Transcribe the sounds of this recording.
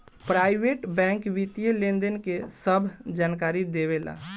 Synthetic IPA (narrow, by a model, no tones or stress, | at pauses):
pɾaːɪʋeːʈbɛ̃ːŋkʋit̪ijelẽːnd̪ənkesəbʱd͡ʒaːnkaːɾid̪eːʋela̰ː